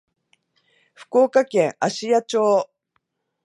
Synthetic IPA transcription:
ɸɯ̥ko̞ːkakẽ̞ɰaɕijat͡ɕoː

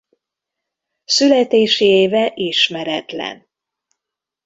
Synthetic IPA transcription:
sylɛt̪eːʃieːvɛʔiʃmɛɾɛt̪lɛ̰n

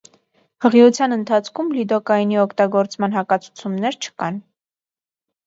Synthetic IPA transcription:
həʁiut͡sʰjɑnənt̪ʰɑt͡sʰkʰumlid̪ɔkɑjiniɔkʰt̪ɑɡɔɾt͡smɑn̪ɦɑkɑt͡sʰu̥t͡sʰumnɛɾt͡ʃʰə̥kɑn

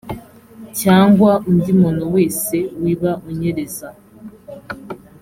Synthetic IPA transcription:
caːŋɡwaum̩dimonoweːsewiβauɲeɾeza

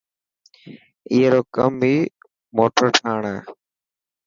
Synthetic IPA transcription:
iːeɾoːkəmbiː | moːʈəɾʈʰaːɳeː

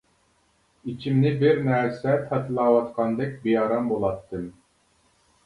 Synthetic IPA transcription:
it͡ʃʰimnɪbɪɾnæɾsɛt̪ʰɛt̪ʰɨlˠɑːwɑt̪qʰɑnd̪ɛk̚ʲbijɑːɾɑmbolˠɑt̪ʰːɨm

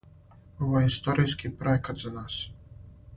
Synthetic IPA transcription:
oʋojist̪oɾijskipɾekad̪zanaːs

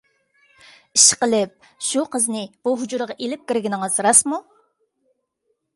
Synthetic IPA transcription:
iʃqəlˠɪp̚ | ʃuqʰəznɪb̥uɦud͡ʒuɾʁɑʔelɪp̚kʲiɾɡʲinɪŋəz̥ɾɑsmu

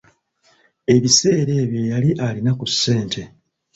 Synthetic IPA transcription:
e̞βise̞ːɾe̞ːβjo̞jaliʔalinakusːe̞ːntʰe̞

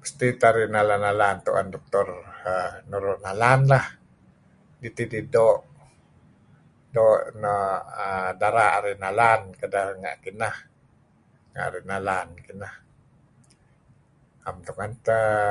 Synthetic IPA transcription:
pə̥st̪it̪aɾiʔnalanalant̪ṵʔa̰ndɔk̚t̪ɔrənuɾʊʔnalanlah | dit̪ididoʔ | doʔnaədaɾaʔaɾinalankədaŋa̰ʔkinah | ŋa̰ʔa̰ɾinalankinah | amt̪ukŋant̪ə

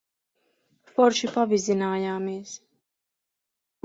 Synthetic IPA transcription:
fɔɾʃipavizinaːjaːmɛːs

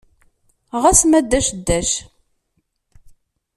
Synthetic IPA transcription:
ʁæsmæd̪ːæʃd̪ːæʃ

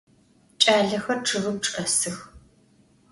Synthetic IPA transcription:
t͡ʃʼaːɮɐxɐrʈ͡ʂʰɨɣɨp̚ʈ͡ʂʼɐsɨx

